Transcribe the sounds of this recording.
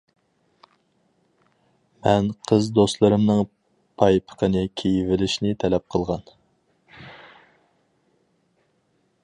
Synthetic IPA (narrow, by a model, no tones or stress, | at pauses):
mɛnqʰəzd̪ost̪lˠɨɾɨmnɨŋ | pʰɑjpʰə̥qʰənɨkʲʰejivɪlɪʃnɪt̪ʰɛlɛp̚qʰəlˠʁɑn